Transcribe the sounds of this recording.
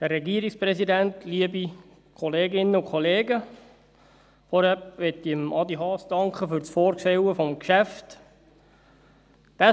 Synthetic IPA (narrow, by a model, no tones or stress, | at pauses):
d̥əɾːɛɡiəɾikspɾɛsidæntliəbi | kʰɔleːɡɪnːəukʰɔleːɡə | fɔɾhɛpʋɛt̪ːiəmʔɑd̪iɦɑːsd̥ɑŋkχəfʏɾt͡sfɔːɾkʃɛwəfɔmkʃæft | d̪̥æ